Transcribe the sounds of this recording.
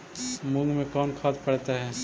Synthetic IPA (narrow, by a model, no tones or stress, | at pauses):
mʊ̃ŋɡmẽkɔːnkʰaːt̪pəɽt̪aɦɛː